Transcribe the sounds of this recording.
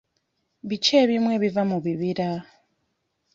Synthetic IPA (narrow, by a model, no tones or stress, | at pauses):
βit͡ʃeβimweβivamuβiβiɾa